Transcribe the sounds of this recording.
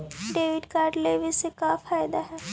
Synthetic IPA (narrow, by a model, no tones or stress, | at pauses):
ɖeːʋɪɖkaːɾɖleːʋɪsekafaːjd̪aɦɛː